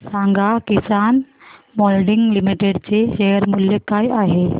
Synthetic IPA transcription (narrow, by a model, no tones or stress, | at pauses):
sãŋɡakisanmɔlɖiŋɡlimiʈeɖt͡seɕejəɾmuljekajaɦe